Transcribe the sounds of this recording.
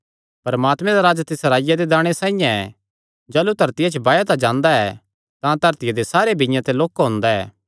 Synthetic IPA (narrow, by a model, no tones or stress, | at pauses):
pɐɾɐmaːt̪mɛ̃d̪aɾaːd͡ʒat̪ɪsɾaːɪjad̪ed̪aːɽ̃esãːĩjãɛ | d͡ʒɐːlut̪ɐɾt̪ɪjat͡ʃʰəbaːjat̪ad͡ʒãːnd̪aɛ | t̪ãt̪ɐɾt̪ɪjad̪esaːɾebɪ̃jãt̪eloːkaɦʊ̃ːnd̪aɛ̰ː